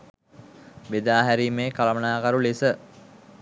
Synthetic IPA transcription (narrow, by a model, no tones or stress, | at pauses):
bed̪aːɦæɾimeːkalɐmənaːkaɾulisə